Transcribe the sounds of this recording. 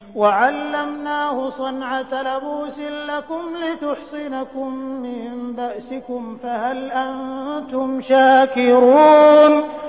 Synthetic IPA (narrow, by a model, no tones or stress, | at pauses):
waʕalːamnaːhʊsˤɑnʕalabuːsɪnlakʊmlɪt̪ʊħsɪnakʊmːɪnbaʔsɪkʊmfahalʔant̪ʊmʃaːkɪɾuːn